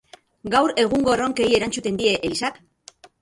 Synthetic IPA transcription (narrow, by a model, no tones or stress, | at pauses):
ɡawɾe̞ɣ̞uŋɡo̞roŋke̞ie̞ɾant͡sut̪e̞nd̪ie̞ʔelisak